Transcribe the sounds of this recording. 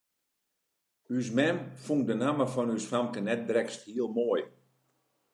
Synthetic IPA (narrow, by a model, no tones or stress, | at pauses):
ys̬mɛmfuŋ̚dənaməfɔnysfamkənɛt̚brɛksthiəlˠmoːj